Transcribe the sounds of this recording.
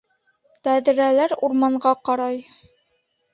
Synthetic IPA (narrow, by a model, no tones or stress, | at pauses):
t̪æðɘ̆ɾælæɾuɾmɑɴɢɑqɑɾɑj